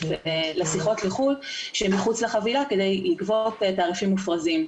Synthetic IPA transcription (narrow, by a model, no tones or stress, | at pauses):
vlesiχo̞tleχulʃemiχut͡sleχavilake̞d̪ejlikvo̞ttaːʁifimːufʁazim